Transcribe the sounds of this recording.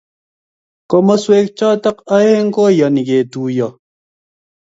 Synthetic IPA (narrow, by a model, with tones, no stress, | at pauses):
ko˦mɔ˦swe˦k̚t͡ʃɔ˦tɐ˦kɐ˦e˦ŋ̩˦ko˦jɔ˨ni˨ɡe˨tuː˨jɔ˨